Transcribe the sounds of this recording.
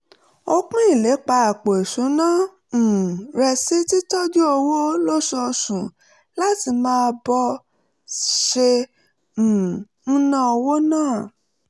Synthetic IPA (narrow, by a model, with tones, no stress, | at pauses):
o˧k͡pũ˦i˦˨le˨˦k͡pa˧a˨k͡po˨e˨ʃũ˨˦nã˦˨ | ɾɛ˧si˦ti˦tɔ˦du˦o˧wo˦lo˦ʃɔ˧sũ˨ | la˦ti˧mãː˦˧˦bɔ˧ | ʃẽ˧˨ | n̩˦nã˦o˧wo˦nãː˦˨